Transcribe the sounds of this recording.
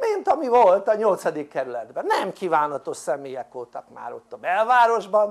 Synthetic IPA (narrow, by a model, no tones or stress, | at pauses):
mint̪ɒmivolt̪ɒɲo̞lt̪sɒd̪ikkːɛɾylɛd̪bɛnːɛmkivaːnɒt̪o̞ʃsɛmeːjɛkʋo̞lt̪ɒ̰kma̰ːɾo̞̰t̪ːɒbɛlvaːɾo̞ʒbɒn